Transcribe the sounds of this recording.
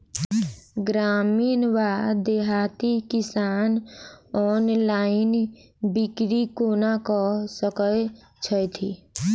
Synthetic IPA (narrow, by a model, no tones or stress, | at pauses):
ɡɾaːmiːnʋaːd̪eɦat̪ikɪsaːnɔːnlaːɪn | bikɾikoːnakɔsəkəj | t͡ʃʰət̪ʰḭ